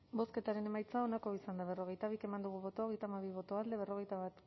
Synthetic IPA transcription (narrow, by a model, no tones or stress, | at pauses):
bo̞ske̞t̪aɾe̞ne̞majt͡sao̞nako̞isand̪aβ̞e̞ro̞ɣejt̪aβ̞ike̞mand̪uɣ̞uβo̞t̪oɣe̞jt̪amaβiβ̞o̞t̪oald̪e̞β̞e̞ro̞ɣejt̪aβat̪